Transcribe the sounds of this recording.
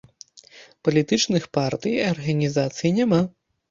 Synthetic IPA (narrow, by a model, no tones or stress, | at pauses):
pɐlʲit̪ɨt͡ʂnɨxpart̪ɨjɐrɣɐnʲizat̪sɨjinʲɛma